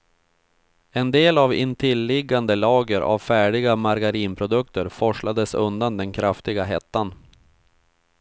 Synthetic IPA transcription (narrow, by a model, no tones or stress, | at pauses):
ɛnd̪eːlavɪ̰nt̪ʰɪlːɪɡːand̪əlɑːɡəɾʔa̰vfæːɖɪɡamaɾɡaɾiːnpʰɾʊd̪ɵk̚t̪əɾfɔʂɭad̪əsɵnd̪and̪ɛnkʰɾaft̪ɪɡaɦɛt̪ːan